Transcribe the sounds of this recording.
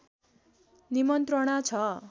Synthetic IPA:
nimʌnt̪rʌɽ̃at͡sʰʌ

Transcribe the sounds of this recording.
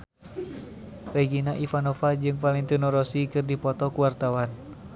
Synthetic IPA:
rɛɡinaʔifanɔfad͡ʒɨŋfalint̪unɔɾɔsikɨrdipɔt̪ɔkuwart̪awan

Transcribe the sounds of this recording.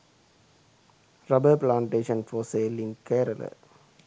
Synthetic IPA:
ɾɐbəplãːɳʈeːʃə̃nfɔːseːlɪ̃nkʰeːɾələ̰

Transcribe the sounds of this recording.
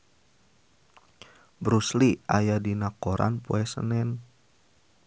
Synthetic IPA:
bɾusliʔajadinakoɾa̰npṵɛsə̰nɛn

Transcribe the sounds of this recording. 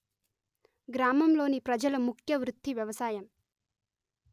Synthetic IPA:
ɡɾaːmɐmlo̞ːnipɾɐd͡ʒɐlɐmukʰjɐʋɾut̪ːiʋjɐʋɐsaːjɐm

